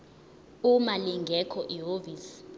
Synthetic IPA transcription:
umaliŋɡʱɛkʰɔʔiɦoːviːs

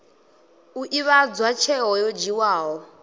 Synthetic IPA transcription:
uʔiβad͡zwat͡ʃʰɛɦɔjɔd͡ʒiwaːɦɔ

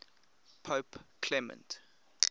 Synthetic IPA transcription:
pʰopkʰlɛmə̰̃nt

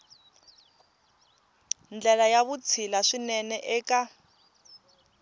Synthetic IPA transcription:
nd͡ɮɛlajaβut͡sʰilaʂinɛnɛʔɛːkʼa

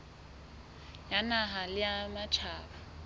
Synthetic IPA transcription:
janaɦalɪamat͡ʃʰaːba

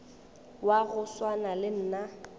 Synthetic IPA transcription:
waɣʊswanalɪn̩ːna

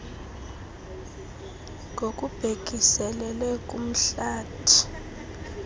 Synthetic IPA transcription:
ŋʱokʼub̥ʱek̬ʼisɛlɛlɛkʼum̩ɬaːtʰi̥

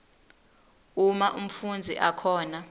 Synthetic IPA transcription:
umaʔum̩fund͡zʱḭʔakʰɔːna

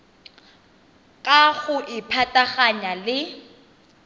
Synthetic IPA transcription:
kʼaɣʊʔɪpʰatʼaɣaɲalɪ

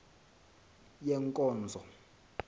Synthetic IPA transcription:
jɛŋkʼɔːnd͡zʱɔ

